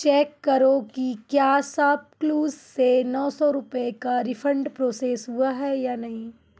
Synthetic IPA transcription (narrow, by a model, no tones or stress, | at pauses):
t͡ʃɛːkːɐɾokikjaːsaːp̚kluːzsenɔːsɔɾʊpekaɾɪfʰə̃ɳɖpɾoːseːsɦuaɦɛjaːnɐɦĩː